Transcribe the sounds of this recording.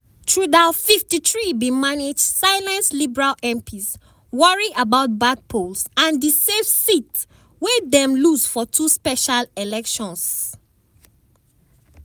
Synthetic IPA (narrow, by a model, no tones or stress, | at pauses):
tʰɹudafiftiθɹibimaned͡ʒdsaɪlɛ̃nslibɛɹalɛ̃mpʰis | wɔɹiʔabaʊt̚bad̚pʰolsãndisevsit | wɛdɛ̃mlusfɔtʰuspɛʃalɛlɛkʃɔ̃ns